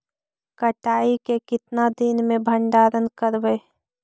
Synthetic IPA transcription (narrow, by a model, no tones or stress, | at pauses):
kəʈaːikekɪt̪nad̪ɪnmẽbʱəɳɖaːɾənkəɾbeː